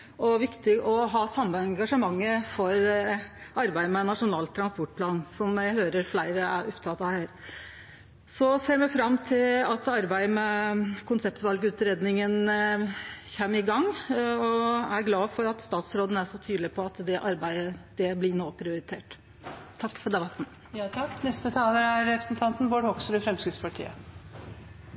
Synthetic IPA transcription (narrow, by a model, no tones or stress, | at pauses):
ɔʋɪkt̪ɪɡʔɔɦɑːsɑmːəɛŋɡɑʂəmɑŋːəfɔɾ | ʔɑɾbæɪmɛnɑʂʊnɑːlt̪ʰːɾɑnspɔʈːpʰlɑːnsɔmæɪhøːɾəɾflæɪɾəæɾɔpt̪ʰɑt̪ːɑhæːɾ | sɔseːɾmɛfɾɑmːt̪ʰɪlɑt̪ɑɾbæɪmɛkʊnsɛpt̪ʋɑlɡʉːt̪ɾeːd̪nɪŋən | çɛmːɪɡɑŋːɔæɾɡlɑːfɔɾɑt̪st̪ɑːt̪sɾoːd̪ən̩æʂɔt̪ʰyːd̪lɪpʰɔɑt̪d̪ɛʔɑɾbæɪd̪əd̪̥ɛblɪnoːpʰɾɪʊɾɪt̪ʰeːʈ | t̪ʰɑkːfɔɖæʋɑt̪mɛ | jɑt̪ʰɑkːnɛst̪ət̪ʰɑːləæɾɾɛpɾəsn̩t̪ʰɑnt̪nʋoːɖhɔksəɾəfɾɛmskɾɪd̪spʰɑʈʰḭːə